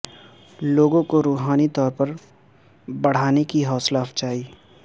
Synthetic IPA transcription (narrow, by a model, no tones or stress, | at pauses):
loːɡõkoɾuːɦaːnit̪ɔːɾpɐɾ | bɐɽ̤aːnekiɦɔːslaft͡ʃaːiː